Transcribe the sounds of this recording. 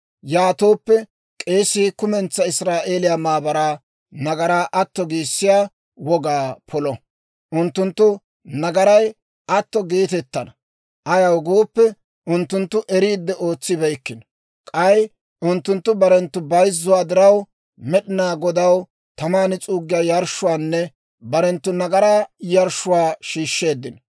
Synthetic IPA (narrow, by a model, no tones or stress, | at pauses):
jaːt̪oːpːɛ | kʼe̞ːsːiːkʊmɛnt͡sːɐɪsɾaːʔe̞ːlɪjaːmaːbɐɾaː | nɐɡɐɾaːʔɐt̪ːɔɡiːsːɪjaː | wɔɡaːpʰɔlɔ | ʔʊnt̪ːʊnt̪ːʊ | nɐɡɐɾɐj | ʔɐt̪ːɔɡe̞ːt̪ɛt̪ːɐnɐ | ʔɐjɐwɡoːpːɛ | ʊnt̪ːʊnt̪ːʊʔɛɾiːd̪ːɛʔo̞ːt͡sːɪbɛjkːɪn | kʼɐj | ʊnt̪ːʊnt̪ːʊbɐɾɛnt̪ːʊbɐjzːʊwaːd̪ɪɾɐw | mɛɗɪnaːɡɔd̪ɐw | t̪ɐmaːnɪt͡sʼuːɡːɪjaːjɐɾʃːʊwaːnːɛ | bɐɾɛnt̪ːʊnɐɡɐɾaːjɐɾʃʊwaːʃiːʃːe̞ːd̪ːɪn